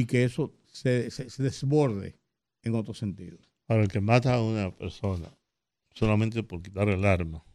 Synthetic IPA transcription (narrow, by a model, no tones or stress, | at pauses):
ikeeso | seseseðezβo̞ɾðḛ | eŋot̪ɾose̞nt̪ḭðospaɾelkemat̪aːunapeɾso̞na̰ | solamẽnt̪epoɾkit̪aɾelaɾma